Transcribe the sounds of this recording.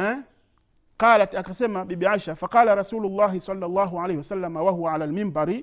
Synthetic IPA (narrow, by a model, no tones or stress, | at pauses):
ɛ | qɑːlatakasɛmaɓiɓiaʃafaqɑːlaɾˤɑsuːlulˤːaːɦisɑlːɑlˤːɑːɦuʕalejhiwasalːamawaɦuwaʕalalmimbaɾi